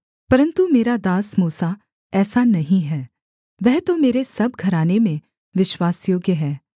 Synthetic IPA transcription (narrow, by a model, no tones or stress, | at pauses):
pɐɾə̃nt̪umeːɾad̪aːsmuːsa | ɛːsanɐɦĩɦɛː | ʋɛɦt̪omeːɾesɐb̚ʱɡʱɐɾaːnemẽ | ʋɪʃwaːsjoːɡjəɦɛː